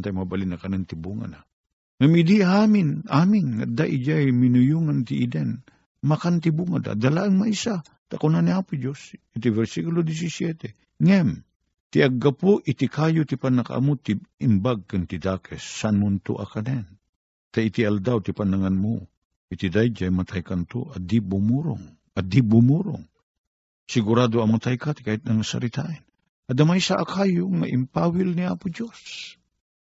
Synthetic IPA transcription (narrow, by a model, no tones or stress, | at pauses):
nt̪ajmabalinakanɛnt̪ibuŋa̰na | ŋamɪd̪iamɪnamɪnŋa̰d̪aʔid͡ʒajminʊjuŋant̪ɪʔid̪ɛn | makant̪ibuŋa̰d̪a̰d̪alaʔɨŋmaisa | t̪akʊnaniapʊd͡ʒosit̪̬ivɛɾsikulod̪is̬isjɛt̪ɛ | ŋɛm | t̪iʔaɡːapʊʔɪt̪ikajʊt̪ipanaka̰ʔa̰mʊt̪iɪmbaɡ̚kɨnt̪id̪aːkʰɛsːanʊnt̪o̰ʔɐ̰kɐnɛn | t̪ait̪iald̪awt̪ipɐnɐŋanmo | ʔit̪id̪ajd͡ʒajmɐt̪ʰajkant̪o̰ʔɐd̪ibumuɾʊ̰ŋ | ɐd̪ibumuɾʊ̰ŋ | sɪɡuɾad̪oɐmat̪ajkat̪ɪ̥kaːhɪt̪̚nɐŋasɐ̰ɾit̪aʔɛn | ʔɐd̪amajsaʔakaːjoŋa̰ʔɪmpaːwilniaːpʊd͡ʒos